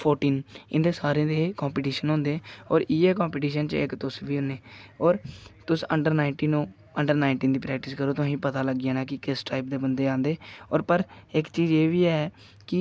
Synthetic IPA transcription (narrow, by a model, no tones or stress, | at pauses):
pʰoːɾʈiːnɪ̰nd̪eːsaːɾẽːd̪eːkɔ̃ːmpiːʈiːʃənɦõːnd̪eːɔːɾiːeːkɔ̃ːmpiːʈiːʃənt͡ʃɪ̰kt̪ʊsʋiːɦʊneːɔːɾt̪ʊsəɳɖəɾnaːɪɳʈiːnũː | əɳɖəɾnaːɪɳʈiːnd̪iːpɾɛːk̚ʈɪskəɾoːt̪ʊĩːpət̪aːləɡɪeːnaːkɪkɪsʈaːɪp̚d̪eːbənd̪eːãːnd̪eːɔːɾpəɾɪkt͡ʃiːd͡ʒeːʋiːɛː | kɪ